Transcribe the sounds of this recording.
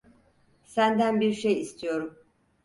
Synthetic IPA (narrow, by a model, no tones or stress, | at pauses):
sænd̪ænbiɾʃejist̪ʰijo̞ɾum